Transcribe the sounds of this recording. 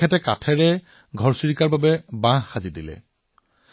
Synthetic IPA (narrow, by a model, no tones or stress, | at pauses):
ɛtɛkatʰɛɹɛ | ɡʱɔɹsiɹikaɹbabɛbãxazidilɛ̰